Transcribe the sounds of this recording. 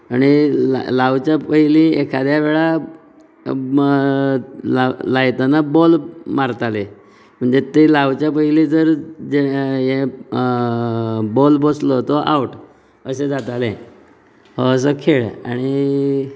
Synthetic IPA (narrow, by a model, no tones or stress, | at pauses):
aɽ̃ilaʋt͡ɕjapəɦilĩekʰad̪jaʋeɭa | lalajt̪anabɔlmaɾt̪ale | m̤əɳd͡zet̪elaʋt͡ɕjap̬əɦilid͡zəɾd͡zejẽ | bɔlboslɔt̪ɔʔa̰wʈ | əsẽd͡zat̪alẽ | hoəs̬əkʰeɭa̰ɽ̃i